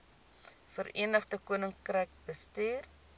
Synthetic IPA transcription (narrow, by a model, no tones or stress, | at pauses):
fəɾḭənəχdəkuənəŋkrɛjk̚bəstiːr